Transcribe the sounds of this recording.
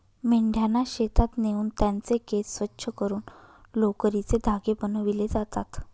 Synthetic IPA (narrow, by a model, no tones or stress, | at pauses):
meɳɖʱjanaɕet̪at̪neuːnt̪jant͡sekessːʋətːɕʰəkəɾuːnlokəɾit͡sed̪ʱaɡebənəʋiled͡zat̪at̪